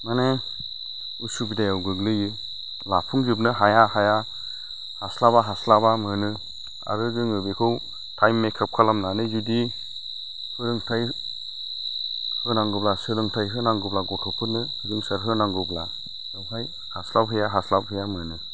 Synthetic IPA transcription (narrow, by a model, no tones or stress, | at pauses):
mane | usubidajawɡɯɡlɯjɯ | lapʰuŋd͡ʒɯp̬nɯɦajahaja | haslabaɦaslabamɯnɯ | a̰ɾɯɡɯŋɯbekʰɯw | tʰajmːekʰap̚kʰalamnanɯzudi | hɯɾɯŋtʰaj | hɯnaŋɡɯblasɯlɯŋtʰajɦɯnaŋɡɯblaɡɔtʰɔpʰɯt̚nɯhɯdɯŋsaɾɦɯnaŋɡɯbla̰ | ɯwɦaj | haslap̚ɦɯjaɦaslabɦɯjamɯnɯ